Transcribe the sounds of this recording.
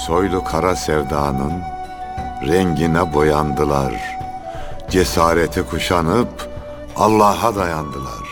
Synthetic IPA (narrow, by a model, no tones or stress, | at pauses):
so̞jlˠukʰaɾasɛvd̪aːnɯn | ɾɛɲɟinɛbo̞jand̪ɯlˠaɾ | d͡ʒesaːɾet̪ʰikʰuʃanɯp | alˠːaːɦad̪ajand̪ɯlˠa̰ɾ̥